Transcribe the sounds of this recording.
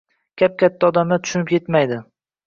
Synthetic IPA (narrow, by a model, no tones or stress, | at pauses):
kʲʰap̚kʲʰat̪ʰːaɒd̪amlat̪ʰʊ̥ʃʊnɪpʰje̞t̪majd̪ɪ